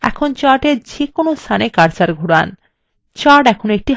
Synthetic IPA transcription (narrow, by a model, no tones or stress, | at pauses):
ɛ̰kʰont͡ɕaɾʈeɾd͡ʑekonost̪ʰanekaɾt͡ɕaɾɡʱuɾan | t͡ɕaɾʈɛkʰonoek̚ʈi